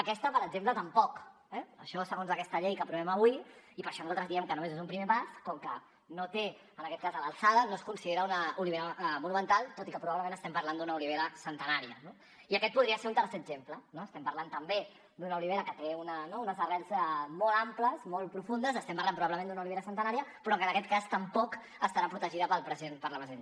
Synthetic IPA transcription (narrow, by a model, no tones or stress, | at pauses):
əkɛst̪əpəɾəɡzemplət̪əmpɔk | ɛə̰ʃɔsəɣonzðəkɛst̪əʎejkəpɾuβɛmɐβwiipəɾʃɔnzat̪ɾəzðiɛmkənumezezumpɾimepaskɔŋkə | not̪e | ənɐkɛt̪̚kazðəlalˠsaðənoskunsiðeɾəunəuliβeɾəmunumənt̪alˠt̪ot̪ikəpɾuβaβləmẽnəst̪ɛmpɐɾland̪unɐuliβeɾəsənt̪ənaɾiəno | iəkɛt̪̚puðɾiəseɾunt̪əɾsɛəɡzemplənoəst̪ɛmpɐɾlant̪əmbe | d̪unɐuliβeɾəkət̪eunənounəzβərɛlzɛmɔlˠampləzmɔlˠpɾufund̪əzəst̪ɛmpaɾlanpɾuβaβləmẽnd̪unauliβeɾəsənt̪ənaɾiəpɾɔəkənɐkɛt̪̚kast̪əmpɔk | əst̪aɾapɾut̪əʒiðəpəlˠpɾəzienpəɾlɐβəze